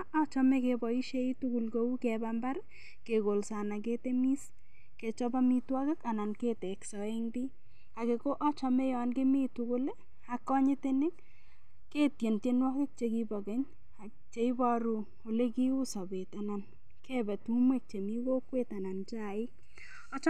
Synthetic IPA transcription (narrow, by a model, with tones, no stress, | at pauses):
ʔɔ˦t͡ʃɔ˦me˦kebɔ˨i˦ʃe˦i˦tu˦ku˨lko˦u˦kɛbamba˦ɾ | keko˨lsa˨na˨k̬e˦te˦mi˦s | ke˨t͡ʃɔ˦ba˦mi˦twɔ˦ke˦ka˨na˨nke˦tɛ˨ksɔ˨e˦ŋdi˦ | a˨ke˨ko˦ʔɔ˦t͡ʃɔ˨me˦jɔ˨nke˦mi˦tuku˦l | a˨kːɔ˦ɲɪ˦te˦nɪ˦k | ke˦tje˨nte˦nwɔ˦ke˦k̚t͡ʃe˨ki˦bɔ˨ke˦ɲ | a˨ | t͡ʃe˨i˦bɔ˦ɾu˨ | o˨le˦ki˦u˦sa˨be˨ta˨na˨n | kʰebɛ˨tu˦mwe˦k̚t͡ʃe˨mi˦ko˦kwe˦ta˨na˨nt͡ʃa˦ɪ˦k̚ | ɔ˦t͡ʃ